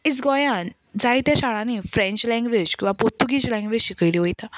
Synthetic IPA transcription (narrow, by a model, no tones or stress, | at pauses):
it͡sɡɔjan | d͡zajt̪jaɕaɭãnifɾẽɲt͡ɕlɛ̃ŋɡʋed͡ʑkĩw̃ʋapoɾt̪uɡit͡ɕlɛ̃ŋɡʋed͡ʑɕikəjliʋojt̪ʰa